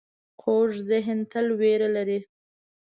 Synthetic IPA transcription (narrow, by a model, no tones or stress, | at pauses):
qʰoʐzɪɦnt̪əlweɾalaɾi